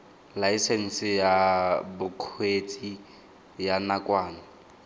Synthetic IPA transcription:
laisen̩sɪjabʊkʰwet͡sʼi | janakʼwaːna

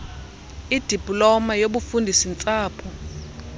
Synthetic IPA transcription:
id̥ʱipʼlɔmajoɓufundʱisint͡sʼaːpʰɔ

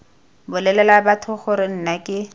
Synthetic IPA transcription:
bʊlɛlɛlabatʰʊχʊɾɪn̩nakʼɪ

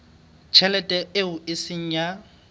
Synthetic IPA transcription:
t͡ʃʰɛlɛtʼɛeʊɪsɪŋ̩ja

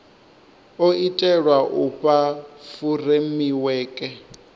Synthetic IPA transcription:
oitʼɛɺwaʔupʼafuremiwɛːkʼɛ

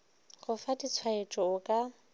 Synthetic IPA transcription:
ɣʊfadit͡sʰwaet͡ʃʼɔʊkʼa

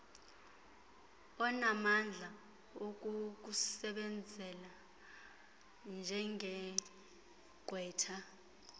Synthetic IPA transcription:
ɓɔnamand͡ɮʱa | ok̬ʼuk̬usɛɓɛnd͡zʱɛla | nd͡ʒʱɛŋɛ | ɡʱwɛːtʰa

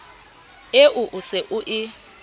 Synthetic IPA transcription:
eʔʊʔʊsɪʔʊʔɪ

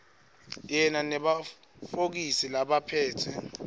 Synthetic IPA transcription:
jɛnanɛɓa | fok̬isilaɓapʰɛːtʰɛ

